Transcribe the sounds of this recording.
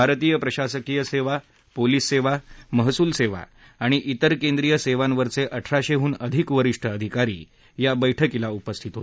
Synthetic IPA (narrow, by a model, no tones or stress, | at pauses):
bʱaɾt̪iːjəpɾəɕasəkijəseʋa | poliːsːeʋaməɦsuːlseʋa̰ | aɽ̃iʔit̪əɾkend̪ɾijəseʋãnʋəɾt͡seʔəʈʰɾaɕeɦuːnəd̪ʱikʋəɾiʂʈʰəːd̪ʱikaɾḭː | jabəjʈʰəkilaupəst̪ʰit̪ɦot̪